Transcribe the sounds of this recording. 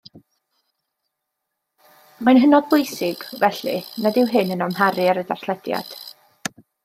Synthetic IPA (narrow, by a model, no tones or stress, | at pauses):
majnɦənɔdbʊjsɪɡ̥vɛɬḭnadɪwɦɪnənɔmɦaɾiaɾədarθlˠɛdja̰d̥